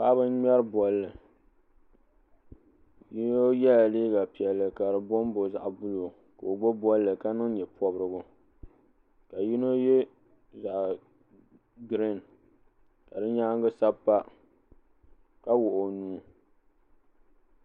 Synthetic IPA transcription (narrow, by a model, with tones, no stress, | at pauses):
pa˦bɨ˦nɲɛ˦ɾɨ˦bɔ˨lːɨ˨ | ji˦no˦jɛ˦la˨liː˦ɡa˨pi˨ɛ˨lːɨ˨ka˨ɾɨ˨bo˦m˦bo˨za˨ʔbʊ˦lo˨ | ka˨o˨ɡ͡bo˦bɔ˦lːɨ˨ka˦nɨ˦ŋ˦ɲɛ˨pʰɔ˦bɾɨ˦ɡʊ˦ | ka˨ji˦no˦je˦ | za˨ʔ | ɡɾi˦˨n | ka˨dɨ˦ɲaː˦ŋ˦ɡɨ˦sa˦pːa˦ | ka˦wʊ˨ʔo˨nuː˦